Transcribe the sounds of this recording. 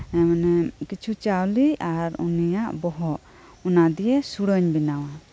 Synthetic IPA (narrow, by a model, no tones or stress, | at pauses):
ɛmanɛkit͡ʃʰut͡ʃawliaɾṵnijaʔbɔɦɔʔ | ɔnad̪ijɛsuɽəɲbinawa